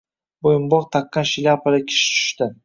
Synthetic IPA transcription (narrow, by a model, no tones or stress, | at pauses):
bojʊmbɒqt̪ʰɑqːɑnʃɪlʲapʰalɪkʲʰɪ̥ʃɪ̥t͡ʃ̪ʰʊ̥ʃt̪ɪ